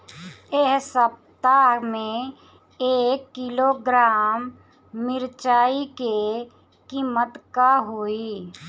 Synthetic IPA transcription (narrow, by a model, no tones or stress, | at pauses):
eɦsəp̚t̪amẽ | eːkːɪloɡɾaːmː | ɪɾt͡ʃaːike | kiːmət̪kaɦoːi